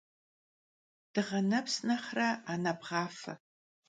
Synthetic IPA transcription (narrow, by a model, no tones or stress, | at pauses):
d̥ɨʁɐnɐpsnɐχrɐaːnɐbʁɑːfɐ̰